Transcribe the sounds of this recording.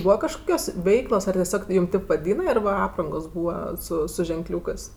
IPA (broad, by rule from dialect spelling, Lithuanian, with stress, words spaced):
ˈbuːʋɐ kɐʃˈkoːkʲoːs ˈʋʲɛɪklˠoːs ɐr tʲɛˈsʲoːk ˈjuːm ˈtʲeːp ʋɐˈdʲiːnɐ ɪr ʋɐ ˈɑːprɐŋɡoːs ˈbuːʋɐ ˈsʊ sʊ ʒʲɛŋˈklʲuːkɜs